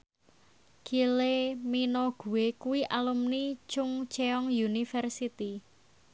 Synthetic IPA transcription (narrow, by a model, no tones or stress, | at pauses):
kileminoɡ̥ṳwekuwiʔalumnit͡ʃʊŋt͡ʃeɔŋjunifɛrsit̪i